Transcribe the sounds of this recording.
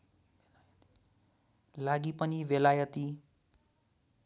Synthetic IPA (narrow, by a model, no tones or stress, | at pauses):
laɡipʌniwjʌlajʌt̪i